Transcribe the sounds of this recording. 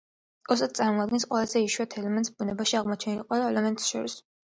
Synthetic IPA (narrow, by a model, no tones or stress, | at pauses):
ɔsad̪̚sʼaɾmɔad̪̚ɡɛnsqʼwɛlazɛiʃuat̪ʰɛlɛmɛnt̪ʼsbunɛbaʃiaʁmɔt͡ʃʰɛnilqʼwɛlaɛlɛmɛnt̪ʼsʃɔ̰ɾis